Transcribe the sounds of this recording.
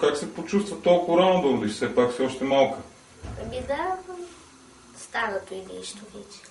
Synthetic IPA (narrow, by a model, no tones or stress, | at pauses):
kaksɛpot͡ʃust̪vət̪olˠkʊvɾanod̪ɐod̪iʃsɛpaksiɔʃt̪ɛmalˠkə | pɛbid̪ɐ | st̪anət̪oid̪ɛiʃt̪ovɛt͡ʃɛ̥